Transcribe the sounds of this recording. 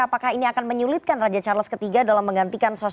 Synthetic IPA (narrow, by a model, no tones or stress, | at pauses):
apakahiniakanməɲulɪt̪̚kanrad͡ʒat͡ʃarləskət̪iɡadalamːəŋɡant̪ikanso